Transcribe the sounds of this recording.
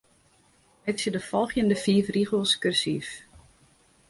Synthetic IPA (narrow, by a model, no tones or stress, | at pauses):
ɛksədəfɔlˠxjəndəfiːfriχəlˠskørsiːf